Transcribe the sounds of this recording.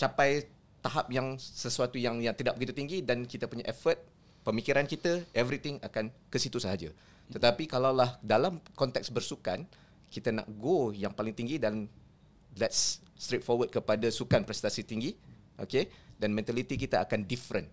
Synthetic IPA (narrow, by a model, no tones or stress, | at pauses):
t͡ʃapaj | t̪aɦap̚jaŋsəsuat̪ujaŋjaŋt̪idaʔ̚bəkit̪ut̪iŋɡidankit̪əpuɲaʔɛfət̪̚ | pəmikiɾankit̪aɛvɾit̪ɪŋakankəsit̪usəɦad͡ʒa | ət̪apikalawlahdalamkɔnt̪ɛk̚sbərsukan | kit̪ana̰ʔɡojaŋpalɪŋt̪iŋɡidan | lɛt̚s | t̪ɾet̪̚fɔwəd̚kəpadasukanpɾɛst̪asit̪iŋɡi | ʔokedanmɛ̃nt̪alit̪ikit̪aʔakandifɾən